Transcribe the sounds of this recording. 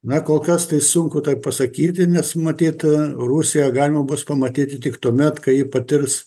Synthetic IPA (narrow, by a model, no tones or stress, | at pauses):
nɐkoːlˠkɐst̪ɐɪsʊŋkʊt̪ɐɪppɐsɐkʲiːt̪ʲɪnʲɛsmɐt̪ʲiːt̪ruːsʲɪjɛɡɑːlʲɪmɐbʊspɐmɐt̪ʲiːt̪ʲɪt̪ʲɪkt̪uɔmʲɛt̪kɐɪjiːpɐt̪ʲɪrs